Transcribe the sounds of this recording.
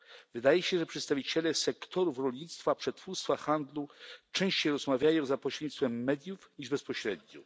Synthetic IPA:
vɘd̪ajɛɕɛʐɛpʂɛt̪st̪avʲit͡ɕɛlɛsɛkt̪ɔɾufɾɔlʲɲit̪st̪fapʂɛt̪fuɾst̪faxand̪lut͡ʂɛ̃w̃ɕt͡ɕejɾɔzmavʲjajɔ̃w̃zapɔɕɾɛd̪ɲit̪t̪fɛmːɛd̪ʲjufɲiʐbɛspɔɕɾɛd̪̚ɲu

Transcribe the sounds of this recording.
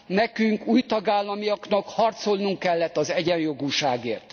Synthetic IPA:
nɛkyŋkuːjt̪ɒɡaːlːɒmijɒknɒkhɒrt̪so̞lnuŋkːɛlːɛt̪ːɒzɛɟɛnjo̞ɡuːʃaːɡeːrt̪

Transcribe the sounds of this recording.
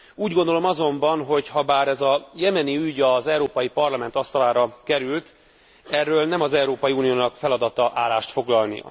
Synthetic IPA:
uːɟɡond̪o̞lo̞mɒzo̞mbɒnɦo̞chɒbaːɾɛzɒjɛmɛniyɟɒzɛwɾoːpɒjipɒrlɒmɛnt̪ɒst̪ɒlaːɾɒkɛɾylt̪ | ɛrːøːlnɛmɒzɛwɾoːpɒjiuːnijoːnɒkfɛlɒd̪ɒt̪ɒʔaːlaːʃt̪fo̞ɡlɒlnḭɒ̰

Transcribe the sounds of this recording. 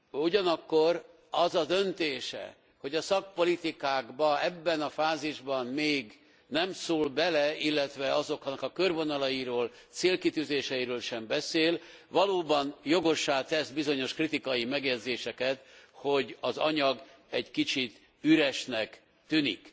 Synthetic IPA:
uɟɒnɒkːo̞r | ɒzɒd̪ø̞nt̪eːʃɛ̰ | ho̞ɟɒsɒk̚po̞lit̪ikaːɡbɒɛbːɛnɒfaːziʒbɒnmeːɡ | nɛmsoːlbɛlɛilːɛt̪ʋɛɒzo̞khɒnːɒkɒkørvo̞nɒlɒjiɾoːlt̪seːlkit̪yːzeːʃɛjiɾøːlʃɛmbɛseːl | ʋɒloːbɒnjo̞ɡo̞ʃːaːt̪ɛzbizo̞ɲo̞ʃkrit̪ikɒjimɛɡjɛd̪zeːʃɛkɛt̪ho̞ɟɒzɒɲɒɡ | ɛɟkit͡ʃit̪ | yɾɛʃnɛk | t̪ynḭk

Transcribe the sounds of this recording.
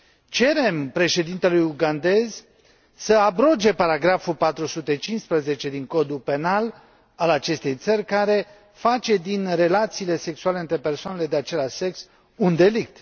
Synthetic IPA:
t͡ʃe̞ɾe̞mpɾe̞ʃe̞d̪int̪e̞lujuɡand̪e̞z | səabɾo̞d͡ʒe̞paɾaɡɾafupat̪ɾusut̪et͡ʃinspɾəze̞t͡ʃe̞d̪iŋko̞d̪upe̞nal | alat͡ʃe̞st̪e̞jt̪sərʲkaɾe̞ | fat͡ʃe̞d̪inre̞lat̪siːle̞se̞ksuale̞ɨnt̪ɾe̞pe̞rsoanele̞d̪eat͡ʃe̞laʃse̞ks | und̪e̞lik̚t̪

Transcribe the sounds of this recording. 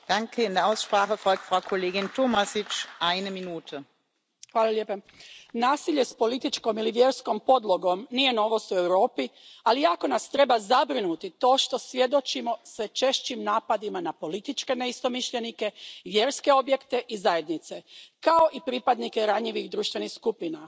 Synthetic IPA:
d̥aŋkʰəɪndeːɐaʊsʃpɾaːxəfɔlk̚t̪fʁawkʰoleːɡɪntomasɪt͡ʃʔaɪnəminuːtʰə | xʋaːlˠalʲjeːpa | naːsiʎe̞spo̞lit̪it͡ʃko̞miliʋje̞ɾsko̞mpo̞d̪lˠo̞ɡo̞mnije̞no̞ʋo̞st̪ue̞wɾo̞ːpialijako̞nast̪ɾe̞bazabɾinut̪it̪o̞ːʃt̪o̞sʋje̞d̪o̞t͡ʃimo̞sʋɛt͡ʃe̞ʃt͡ɕimnaːpad̪imanapo̞lit̪it͡ʃke̞neist̪o̞miʃʎe̞nike̞ʋje̞ɾske̞o̞bje̞kt̪e̞ʔizaje̞d̪nit̪se̞kao̞ʔipɾipad̪nike̞ɾaɲiʋixd̪ɾuːʃt̪ʋe̞nixskupina

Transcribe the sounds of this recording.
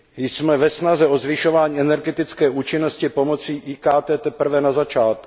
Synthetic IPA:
jsmɛvɛsnazɛʔo̞zvɪʃo̞vaːɲiːɛnɛɾɡɛt̪ɪt͡skɛːʔuːt͡ʃɪnoscɪpo̞mo̞t͡siːʔiːkaːt̪ɛːt̪ɛpr̩vɛnazat͡ʃaːt̪̚k

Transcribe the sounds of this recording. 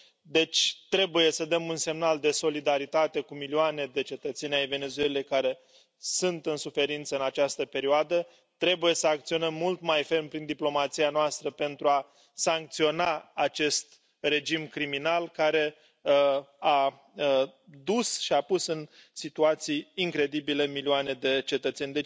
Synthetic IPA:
d̪e̞t͡ʃʲt̪ɾe̞buje̞səd̪əmunse̞mnald̪e̞so̞lid̪aɾit̪at̪e̞kumilioane̞d̪e̞t͡ʃe̞t̪ət̪se̞nʲajve̞ne̞t̪zue̞lekaɾe̞ | sunt̪ɨnsufe̞ɾint̪səɨnat͡ʃast̪əpe̞ɾioad̪ə | t̪ɾe̞buje̞səak̚t̪sio̞nəmːult̪majfe̞rmpɾind̪iplo̞mat̪sianoast̪ɾəpe̞nt̪ɾua | saŋk̚t̪sio̞naat͡ʃe̞st̪̚ | re̞d͡ʒimkɾiminalkaɾe̞ | a | əd̪usʃiapusɨnsit̪uat̪sijːŋkɾe̞d̪ibile̞milioane̞d̪e̞t͡ʃe̞t̪ət̪se̞nʲd̪e

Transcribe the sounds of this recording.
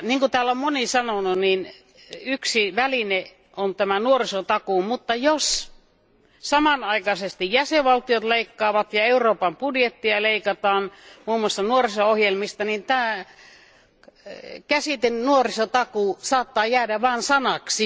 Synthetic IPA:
niːŋkut̪æːlommonisɑnonuniːn | yksiʋæline | ʔont̪æmænuorisot̪ɑkumut̪ːɑjos | sɑmɑnɑikɑsest̪ijjæseʋʋɑlt̪ijot̪leikːɑːʋɑt̪jɑeuroːpɑmpudjet̪ːiɑleikɑt̪ɑːnmuːmŭoɑst̪ɑnuorisoohjelmist̪ɑnint̪æː | kæsit̪ennuorisot̪ɑkusɑːt̪ːɑːjæːdæʋɑːnsɑnɑksi

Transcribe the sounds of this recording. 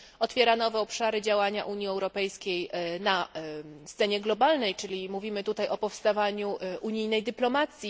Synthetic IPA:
ɔt̪fʲjɛɾanɔvɛɔpʂaɾɘd͡ʑawaɲaʔuɲjiɛwɾɔpɛjskʲejna | st̪sɛɲɛɡlɔbalnɛjt͡ʂɘlʲimuvʲimɘt̪ut̪ajɔpɔfst̪avaɲuʔuɲijnɛjd̪ɘplɔmat̪sʲji

